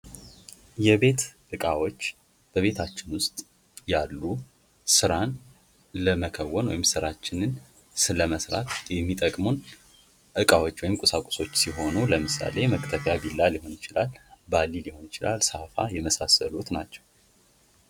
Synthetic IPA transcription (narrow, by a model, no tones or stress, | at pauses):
jɛβe̞t̪ʔɨkʼawo̞t͡ʃː | b̥əβe̞t̪ʰat͡ʃːɪnwʊst̪ʼ | jalːu | sɨɾan | ləməkʰəwːɔnwɔ̰jɪmsɨɾat͡ʃːɪnɨn | sɨləməsɾa̰t̪jɛmːit̪ʼəkʼmun | ʔɨkʼawo̞t͡ʃːwɔjɪmkʼʊsakʼʊ̥so̞t͡ʃːsiɦo̞nuləmɨsa̰le̞məkt̪ʰəfjabilːalɪho̞nɪt͡ʃɪlalbalːiliho̞nɪt͡ʃɪla̰lsafa̰jɛməsasəlut̪nat͡ʃːɛ̥w